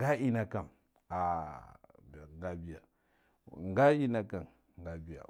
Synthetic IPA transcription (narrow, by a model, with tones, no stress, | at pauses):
ɡa˦ʔi˦na˨ka˨m | a˨ | ba˨ŋɡa˦bi˦˨ja˨ | ŋ˨ɡa˦i˦na˨ka˨n | ŋ˨ɡa˨bi˨ja̰˨